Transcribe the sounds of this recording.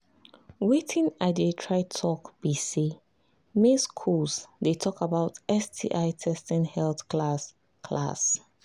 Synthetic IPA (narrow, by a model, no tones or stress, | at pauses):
wetʰĩnadetʰɹaɪtʰɔkb̥isi | meskʰulsdetʰɔkabaʊtɛstʰḭʔaɪtʰɛstɛ̃nhɛlθkʰlas | kʰla̰s